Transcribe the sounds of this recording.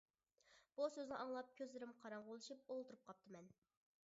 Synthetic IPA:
b̥usøznɪʔɑŋlˠɑp̚kʲʰøzlɪɾɪmqʰɑɾɑɴʁolˠɨʃip̚olˠt̪ʰuɾup̚qʰɑp̚t̪ʰɨmɛn

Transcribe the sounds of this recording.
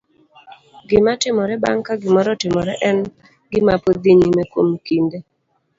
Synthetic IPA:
ɡɪmatɪmɔɾɛba̰ŋkaɡɪmɔɾɔtɪmɔɾɛʔɛn | ɡɪmapod̪iɲimɛkwomkinde

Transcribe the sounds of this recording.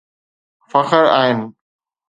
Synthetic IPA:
fɐxəɾa̰ːɦɪn

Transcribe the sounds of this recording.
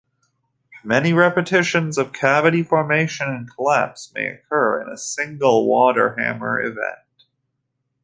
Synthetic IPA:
mɛniɹɛpɨtʰɪʃɨ̃nzʌv̥kʰævɨɾifɔɹmeɪʃɨ̃nɨ̃nkʰəlæ̰psmeɪɨ̰kʰɜ˞ɪ̰̃nəsɪ̃ŋɡl̩ˠwɔɾə̰˞hæ̰̃mə̰˞ɪ̰vɛ̰̃nt̚

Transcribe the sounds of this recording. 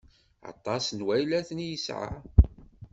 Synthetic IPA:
ɑ̰t̪ˤːɑsnwæjlæθnjəsʕa̰

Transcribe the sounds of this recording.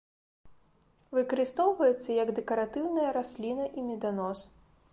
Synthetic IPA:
vɨkɐɾɨst̪ɔwvɐjɛt̪sːɐjɐɡd̪ɛkɐɾat̪ɨwnɐjɐɾasʲlʲinɐʔimʲɛd̪anɔs

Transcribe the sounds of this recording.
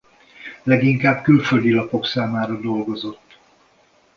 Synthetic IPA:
lɛɡiŋkaːbkylfø̞ld̪ilɒpo̞ksaːmaːɾɒd̪o̞lɡo̞zo̞t̪ː

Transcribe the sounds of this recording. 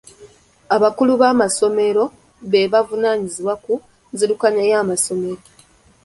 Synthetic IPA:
aβakuluβaːmaso̞me̞ɾo̞ | βe̞βavunaːɲiziwaku | nziɾukaɲajaːmaso̞me̞ɾo̞

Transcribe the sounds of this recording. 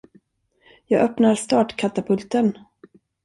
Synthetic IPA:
jɑːɡʔœpnaɾst̪ɑːʈkʰat̪apʰɵlt̪ən

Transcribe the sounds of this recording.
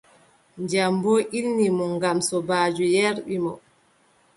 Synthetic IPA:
ɲd͡ʒamboʔilnimɔŋɡamsɔbaːd͡ʒujɛɾɓimɔ

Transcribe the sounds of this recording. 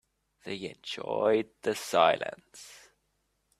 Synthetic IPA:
ðeɪɛ̰̃nd͡ʒɔɪd̪̚ðəsaɪlˠə̰̃ns

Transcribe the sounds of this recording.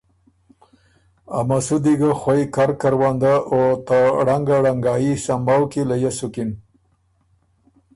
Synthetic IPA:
a̰masud̪iɡaxwaikaɾkaɾwand̪aʔot̪aɽaŋɡaɽaŋɡɑjisambawkilajasukin

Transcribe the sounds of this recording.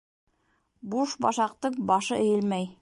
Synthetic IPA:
buʃbɑʃɑq̚t̪ɤq̚bɑʃɤɘ̆jɘ̆lmæj

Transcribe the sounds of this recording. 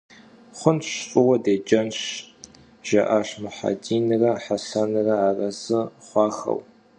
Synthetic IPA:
χʷʊnɕfʼɨwɐdeːd͡ʒɐnɕ | ʒ̥ɐ̰ʔaʂmʊħa̰diːnɨrɐħasanɨrɐaːrɐzɨχʷɑːxɐ̰w

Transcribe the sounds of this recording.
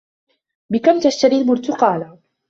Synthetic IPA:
bɪkamt̪aʃt̪aɾilmʊɾt̪ʊqɑːla

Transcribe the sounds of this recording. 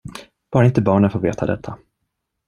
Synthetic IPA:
b̥ɑːɾaɪnt̪əbɑːɳənfoːɾveːt̪ʰa̰d̪ɛ̰t̪ʰːa

